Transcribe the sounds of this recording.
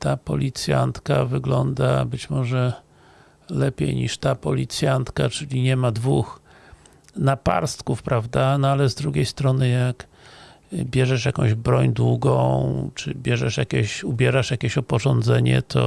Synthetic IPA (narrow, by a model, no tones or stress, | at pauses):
t̪apɔlʲit̪sʲja̰nt̪ka̰vɘɡlɔnd̪a̰bɘt͡ɕmɔʐɛ | lɛpʲjḛjɲiʂt̪apɔlʲit̪sʲjant̪kat͡ʂɘlʲiɲɛmad̪vux | napa̰ɾst̪kufpɾavd̪anɔalɛzd̪ɾuɡʲejst̪ɾɔnɘjak | bʲjɛʐɛʂjakɔ̃w̃ʑbɾɔɲd̪wuɡɔ̃w̃t͡ʂɘ̰bʲjɛʐɛʂjakʲeɕubʲjɛɾaʂjakʲeɕɔpɔʐɔnd̪zɛɲɛ̰t̪ʰɔ̰